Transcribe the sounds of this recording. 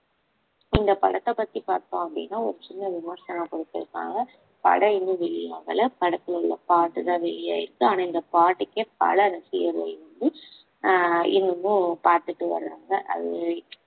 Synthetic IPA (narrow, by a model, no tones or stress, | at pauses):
ɪnd̪ɐpɐ̰ɽɐt̪ːɐpɐt̪ːipaːɾt̪õːɐpːɐɽḭnːaːɔɾɯt͡ʃɪnːɐʋɪmɐɾsɐnaːkɔɽɯt̪ːɪɾɯkːã̰ːŋɡɐ | pɐ̰ɽɐɪnːɯʋɛɭːɪjaːɣɐ̰lɐpɐɽɐk̪ːɯlʊɭːɐ̰paːʈːɯt̪ãːʋɛɭːɪja̰ːjɪɾɯkːɯaːnɐɪnd̪ɐpaːʈːɯkːepɐ̰ɭɐɾɐsɪjɐɾlɐ̰ɪʋɐnd̪ɯ | ɪnːɯmːɯ̃paːɾt̪ɯʈːɯʋɐ̰ɾɯɾaːŋɡɐʔɐ̰ðɯ